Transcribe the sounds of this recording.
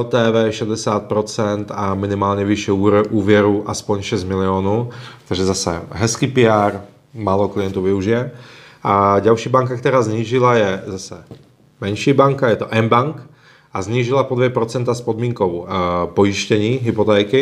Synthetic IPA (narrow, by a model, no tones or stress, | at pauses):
oːt̪ɛːvɛːʃɛd̪ɛsaːt̪̚pɾot͡sɛnt̪amɪnɪmaːlɲɛviʃɛuːɾɛʔuːvjɛɾuʔaspoɲʃɛzt̪mɪlɪoːnuːt̪aɡʒɛzasɛ̰ɦɛskiːpɪaɾ | maːloklijɛnt̪uvɪuʒɪjɛʔaɟalʃiːbaŋkak̚t̪ɛɾaːzɲiːʒɪlajɛzasɛ | mɛnʃiːbaŋkajɛt̪ɔʔɛmbaŋk | azɲiːʒilapod̪ʋjɛpɾot͡sɛnt̪aspod̪miːŋkowpojiʃcɛɲiːɦipot̪ɛːkɪ